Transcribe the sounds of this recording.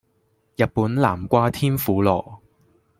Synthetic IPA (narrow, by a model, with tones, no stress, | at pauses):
jɐ˨t̚puː˨˥nla̰ː˨˩mkʷaː˥t̪ʰiː˥nfuː˨˥lɔ̰ː˨˩